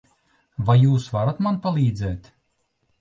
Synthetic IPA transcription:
vajjuːsvaɾat̪manpalʲˠiːd̪zɛːt̪ʲ

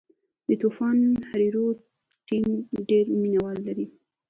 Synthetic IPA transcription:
d̪ət̪ufɑnhaɾiɾo | ʈimɖeɾminawɑlːaɾi

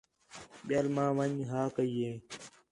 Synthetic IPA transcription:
ɓjaːlmãːʋəɲɦaːkəiːeː

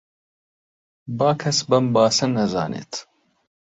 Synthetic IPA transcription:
baːkʰɐsbɐmbaːsɨnːɐza̰ːnʔḛːt̪ʰ

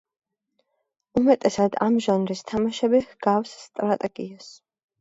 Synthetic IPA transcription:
umɛt̪ʼɛsad̪amʒanɾist̪ʰamaʃɛbihɡ̥afsːt̪ʼɾat̪ʼɛɡ̥ias

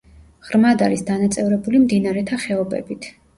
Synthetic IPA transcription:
ʁɾmad̪aɾisd̪anat̪sʼɛvɾɛbulimd̪inaɾɛt̪ʰaχɛɔbɛ̰bit̪ʰ

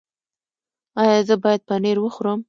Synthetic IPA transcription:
ɑjɑzəbɑjad̪̚pəneɾwəxuɾəm

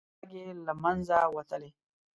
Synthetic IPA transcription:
ɡelɐmɐnzawɐt̪əle

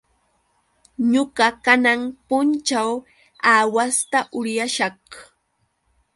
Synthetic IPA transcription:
ɲoɢɑkanaŋpʊnt͡ʃaw | aːwast̪aʔʊɾjaʃɑχ

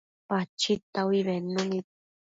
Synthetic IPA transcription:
pat͡ʃit̪awiβenoni

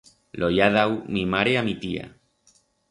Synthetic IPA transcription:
lʔojaðawmimaɾeamit̪ia̰

